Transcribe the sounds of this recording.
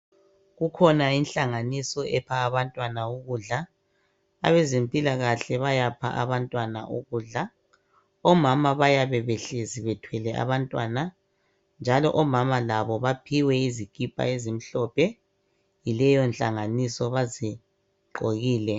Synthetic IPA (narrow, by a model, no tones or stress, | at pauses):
ɣukʰɔnainɬaŋanisɔɛpʰaːβantʼwanauɣuːɮa | a̰βezimpʼilaɣaɬɛβajapʰa̰ʔa̰βantʼwana̰ʔuɣuːɮa | ɔmamaβajaβɛβɛɬeziβɛtʰwɛlɛʔa̰βantʼwaːna | nd͡ʒʱalɔʔɔmamalaβɔβapʰiwɛizikʼipʼa̰ezim̩ɬɔpʰɛ | jilɛjɔnɬʼaŋanisɔβazi | ǃoɣiːlɛ